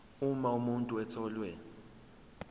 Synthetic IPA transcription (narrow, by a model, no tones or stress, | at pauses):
umaumuntʼuɛtʰɔːlwɛ